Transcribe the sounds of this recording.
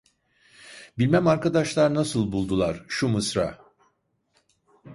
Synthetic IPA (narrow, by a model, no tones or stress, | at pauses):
bilʲmæmaɾkʰad̪aʃlˠaɾnasɯlˠbulˠd̪ulˠaɾ̥ʃumɯsɾa̰